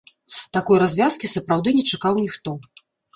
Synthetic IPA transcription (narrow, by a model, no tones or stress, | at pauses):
t̪akɔjɾazʲvʲaskʲisɐpɾawd̪ɨnʲɛt͡ʂakawnʲixt̪ɔ